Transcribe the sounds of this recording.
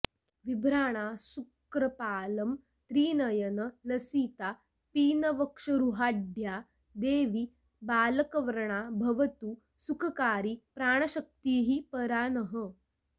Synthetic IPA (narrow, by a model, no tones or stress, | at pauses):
ʋibʱɾaːɽ̃asukɾɐpaːlɐm | t̪ɾiːnɐjɐnəlɐsiːt̪a | piːnɐʋəkʂɐɾuɦaːɖʱja | d̪eːʋiː | baːlɐkɐʋɐɾɳabʱɐʋɐt̪uː | sukʰɐkaːɾiːpɾaːɳ̃ɐɕɐk̚t̪iːɦiːpəɾaːnəɦə